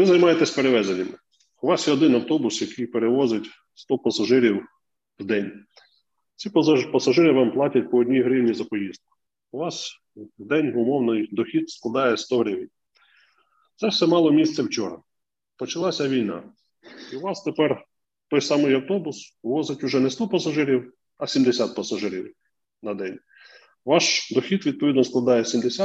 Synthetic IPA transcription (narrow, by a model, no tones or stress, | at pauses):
ʋɪzɐjmɑjet̪esʲpe̞ɾeʋɛzenʲɐmɪ | ʊʋɑsjɛɔd̪ɪnɐwt̪ɔbʊsjɐkɪjpeɾeʋɔzɪtʲ | st̪ɔpɐsɐʒɪɾʲiw | wd̪ɛnʲ | t͡sʲippɐsɐʒɪɾɪʋɑmplˠɑtʲɐt̚ʲpɔːdʲnʲiɦɾɪwnʲizɐpɔjizd̪̚kʊ̥ | ʊʋɑs | wd̪ɛnʲʊmɔwnɪjd̪ɔxʲid̪sklˠɐd̪ɑjɛst̪ɔɦɾɪʋʲinʲ | t̪sɛsɛmɑlˠɔmʲist̪sʲɛwt͡ʃɔɾɐ̰ | pɔt͡ʃɐlˠɑsʲɐʋʲijnɑ̰ | iʊʋɑst̪epɛr | t̪ɔjsɑmɪjɐwt̪ɔbʊsʋɔzɪtʲʊʒɛnɛst̪ɔpɐsɐʒɪɾʲiw | ɐsʲimd̪esʲat̪̚pɐsɐʒɪɾʲḭw | nɐd̪ɛnʲ | ʋɑʃd̪ɔxʲit̪ʋʲid̪̚pɔʋʲid̪nɔsklˠɐd̪ɑjɛsʲimd̪esʲa